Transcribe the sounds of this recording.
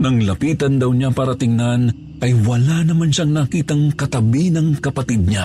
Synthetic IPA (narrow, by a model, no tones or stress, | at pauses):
nɐŋlɐpiːt̪ɐnd̪ɐwɲapaɾɐt̪ɪŋnan | ʔɐjwɐlanɐmanʃaŋnɐkiːt̪ɐŋkɐt̪ɐbinɐŋkɐpɐt̪id̪̚ɲa